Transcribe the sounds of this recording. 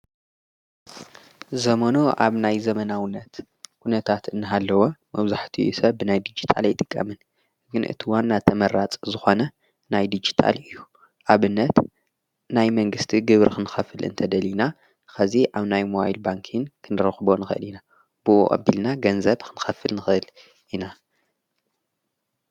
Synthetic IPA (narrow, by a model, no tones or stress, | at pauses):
zɐmɐnuʔa̰βnajzɐmɐnawɨnːɐt̪ | kʰunɐt̪ʰat̪ɨnːɨɦalːɐwomɐβzaħt̪ʰijṵsɐbɨnajd̪ɨd͡ʒit̪ʰa̰lajt̪ʼɨkʼːɐ̰mɨn | ɡɨnʔɨ̰t̪ʰiwanːat̪ʰɐmɐɾat͡sʼzɨxo̞nɐ | najd̪ɨd͡ʒi̥t̪ʰa̰lɨjːu | ʔaβɨnːɐt̪ | najmɐŋɡɨst̪ʰiɡɨβɾkʰɨnɨxɐfɨlɨ̰nt̪ʰɐd̪ɐlina | xɐziʔaβnajmoajɨlbaŋkʰinkʰɨnɨɾɐxbonɨxɨʔɨ̰lina | b̥ɨʔo̰ʔʼɐ̰bilnaɡɐnzɐβkʰɨnɨxɐfɨlnɨxɨʔɨl | ina